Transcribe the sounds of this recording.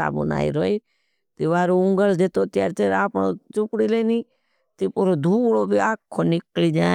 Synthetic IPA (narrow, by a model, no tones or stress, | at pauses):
a̰ːbʊ̰na̰ːḭɾoːi | t̪iʋaːɾoʊŋɡəld͡ʒ̪et̪oːt̪jaːɾt͡ʃ̪eːɾaːpɳot͡ʃʊkɽileːniː | t̪ipoːɾod̪ʱuːɽoːbiaːkʰːoːnɪkliːd͡ʒaː